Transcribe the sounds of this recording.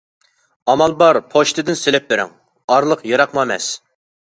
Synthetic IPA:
ɑmɑlˠbɑɾpʰoʃt̪ʰɨd̪ɪnselɪp̚beɾɪ̰ŋ | ɑɾlˠəqjɑɾɑqmɑmɛ̰s

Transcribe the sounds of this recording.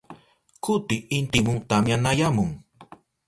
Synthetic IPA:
kʊt̪ɪːnt̪ɪmʊŋt̪amjanajamʊŋ

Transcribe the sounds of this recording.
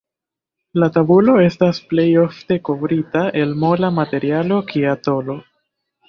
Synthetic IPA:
latabulo̞e̞stasple̞jo̞fte̞ko̞vɾitaʔe̞lmo̞lamate̞ɾialo̞kʰiato̞lo̞

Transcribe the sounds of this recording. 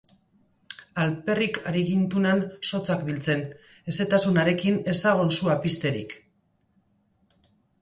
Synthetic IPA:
alpe̞rikaɾiɣint̪unanso̞t͡sakbilt͡se̞n | e̞se̞t̪asunaɾe̞kine̞saɣ̞onsuapist̪e̞ɾḭk

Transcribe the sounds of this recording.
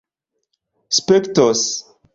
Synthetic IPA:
spektɔs

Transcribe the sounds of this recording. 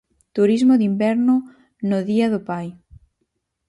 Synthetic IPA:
t̪uɾizmoðimbɛɾnʊ | noðiaðopaj

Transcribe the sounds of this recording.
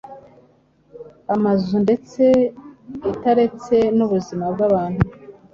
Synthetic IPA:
amazunde̞t͡se̞ | itaɾe̞t͡se̞nuβuzimab̚ɡaβaːnhu

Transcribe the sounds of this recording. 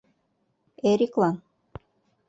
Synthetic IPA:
eɾʲiklˠɑn

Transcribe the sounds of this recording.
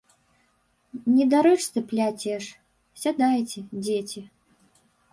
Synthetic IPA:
nʲɛd̪aɾɨt͡ʃst̪ɨplʲatʲeʂ | sʲad̪ajtʲɪd͡zʲetʲɪ

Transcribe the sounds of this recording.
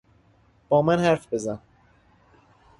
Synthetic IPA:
b̥ɒːmænhæɾfbe̞zæn

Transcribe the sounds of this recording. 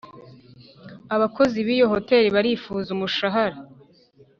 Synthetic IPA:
aβako̞ziβiːjo̞ho̞te̞ːɾiβaɾiːfuːzumuʃaɦaɾa

